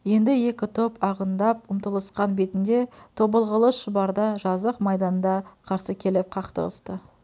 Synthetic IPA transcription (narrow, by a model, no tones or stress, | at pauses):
je̞nd̪ɪje̞kʲɪt̪ʰopɑʁənd̪ɑp̚ʊmt̪əlˠəsqɑnbe̞t̪ɪnd̪e̞t̪ʰo̞bəlˠʁəlˠəʃəbɑɾd̪ɑʒɑzəqmɑjd̪ɑnd̪ɑqʰɑɾsəkʲʰe̞lɪp̚qʰɑqt̪ə̰lˠə̰st̪ə